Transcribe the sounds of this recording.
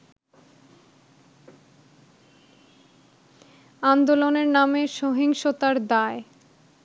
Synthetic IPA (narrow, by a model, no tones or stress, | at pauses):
and̪oloneɾnameʃoɦiŋʃot̪aɾd̪ae